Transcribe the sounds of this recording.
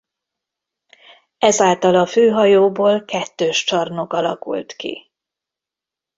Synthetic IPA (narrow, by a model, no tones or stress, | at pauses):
ɛzaːlt̪ɒlɒføːɦɒjoːboːlkɛt̪ːøːʃt͡ʃɒrno̞kɒlɒ̰kṵlt̪kḭ